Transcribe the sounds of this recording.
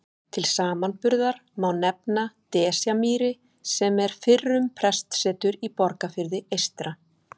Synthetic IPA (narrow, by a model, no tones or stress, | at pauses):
t̪ʰɪlsaːmanpʏɾðaɾ̥mawnɛpnat̪ɛːsjamiːɾɪ | sɛmɛɾ̥fɪrːʏmpʰɾɛst̪sɛːt̪ʏɾipɔɾkafɪɾðɪejst̪ɾa